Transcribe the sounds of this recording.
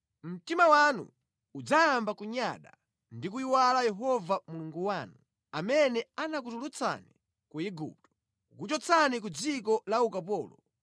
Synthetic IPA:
m̩timawanṵ | ud͡zaːmbakuɲaɗa̰ | ndik̬uiwalajɛɦɔvamuluŋɡuwaːnu | amɛnɛanak̬utulut͡sʰa̰ni | kuiɡṵːp̚tɔ̥ | ukut͡ʃɔt͡sʰanik̬ud͡zikɔlaukapɔːlɔ

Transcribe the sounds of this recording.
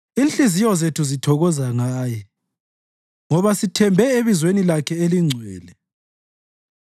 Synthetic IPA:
inɬizijɔzetʰuzitʰɔɣɔzaŋaːjɛ | ŋɔβasitʰɛmbʱɛeβizwenilakʰɛeliŋ͡ǀʱwɛ̰ːlɛ

